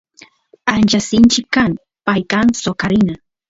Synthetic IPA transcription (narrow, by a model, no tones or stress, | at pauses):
ant͡ʃasɪnt͡ʃɪkːaŋ | pajkaŋsokaɾɪna